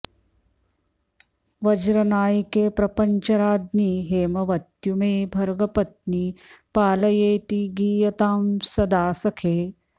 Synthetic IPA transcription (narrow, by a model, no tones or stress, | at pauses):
ʋɐd͡ʒɾɐnaːjkeːpɾɐpɐɲt͡ʃɐɾaːd̪niːɦeːmɐʋɐt̪jumeːbʱɐɾɡɐpɐt̪̚niːpaːlɐjeːt̪iɡiːjɐt̪aːmsɐd̪aːsɐkʰeː